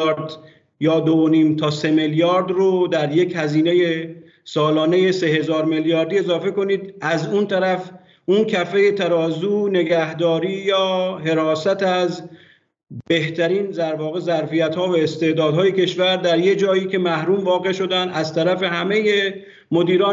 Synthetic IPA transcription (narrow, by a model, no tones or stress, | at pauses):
ɾd̪ | jɒːd̪ooniːmt̪ʰɒːse̞meljɒːɾd̪rod̪æɾje̞chæziːne̞je | sɒːlɒːneje̞se̞ɦe̞zɒːɾmeljɒːɾd̪iːe̞zɒːfe̞ko̞niːd̪ʔæzunt̪ʰæɾæf | ʔuncʰæfejet̪ʰæɾɒːzuːne̞ɡæhd̪ɒːɾiːjɒːɦe̞ɾɒːsæt̪æz | beht̪ʰæɾiːnzæɾvɒːɣe̞zæɾfijæt̪hɒːvæest̪e̞ʔd̪ɒːd̪hɒːje̞cʰe̞ʃvæɾd̪æɾjed͡ʒɒːiːce̞mæhɾuːmvɒːɣe̞ʃo̞d̪ænd̪æzt̪ʰæɾæfe̞ɦæme̞je | mo̞d̪iːɾɒː